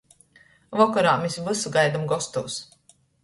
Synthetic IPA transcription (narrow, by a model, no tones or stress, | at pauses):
vɔkɔɾaːmesvɨsɡajd̪amɡɔst̪ɔws